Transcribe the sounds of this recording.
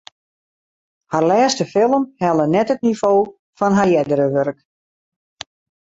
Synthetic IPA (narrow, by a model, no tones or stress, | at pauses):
harlɛːstəfɪlˠəmhɛlˠənɛtətnifoː | fɔnɦarjɛdəɾəʋørk